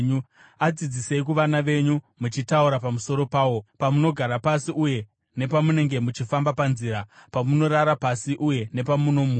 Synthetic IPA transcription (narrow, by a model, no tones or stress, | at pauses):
ɲu | ad͡zid͡zise̞ikuʋanaʋe̞ɲu | mut͡ʃitauɾapamuso̞ɾo̞paːwo̞pamuno̞ɡʱaɾapasiʔuje̞ | ne̞pamune̞ŋɡe̞mut͡ʃifambapanziːɾapamuno̞ɾaɾapasiʔuje̞ne̞pamuno̞mu